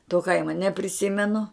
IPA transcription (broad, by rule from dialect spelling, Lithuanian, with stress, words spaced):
toː ˈkɐɪmoː nʲɛpʲrʲɪˈsʲɪmʲɛnʊ